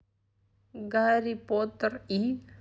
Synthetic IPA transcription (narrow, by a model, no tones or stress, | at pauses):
ɡaːɾipoːt̪ɾi